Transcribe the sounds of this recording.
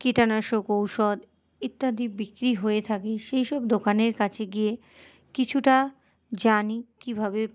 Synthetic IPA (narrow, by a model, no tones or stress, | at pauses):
kiʈanaʃokowʃɔd̪ | it̪ːad̪ʱibikɾiɦoet̪ʰakeʃejʃɔb̚d̪okaneɾkat͡ɕʰeɡie | kit͡ɕʰuʈa | d͡ʑanikibʱabe